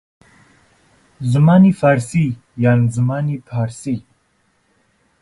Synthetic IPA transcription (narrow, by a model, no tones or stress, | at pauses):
zumanifaɾsi | janzumanipʰaɾsi